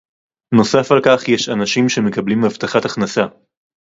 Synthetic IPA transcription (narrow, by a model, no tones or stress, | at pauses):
no̞safalkaχjeʃanaʃimʃe̞mekablimavt̪aχataχnasa